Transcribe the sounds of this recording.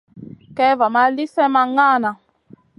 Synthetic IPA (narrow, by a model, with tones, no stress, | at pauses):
kɛ˦va˨ma˦li˦sɛ˦ma˧ŋa˦˨na˨